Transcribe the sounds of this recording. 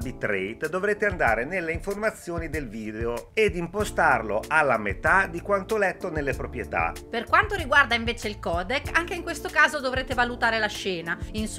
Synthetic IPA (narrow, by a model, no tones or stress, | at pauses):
bit̪ːɾɛjt̪d̪ovɾeːt̪eand̪aːɾenelːeiɱformat̪sːjoːnid̪elviːd̪eoed̪impost̪arloʔalːamḛt̪ad̪ikwant̪olɛt̪ːonelːepɾopɾjet̪a̰perkwant̪oɾiɡward̪aiɱveːt͡ʃeilkɔːd̪ekːaŋkeiŋkwest̪okaːzod̪ovɾeːt̪evalut̪aːɾelaʃːɛːnains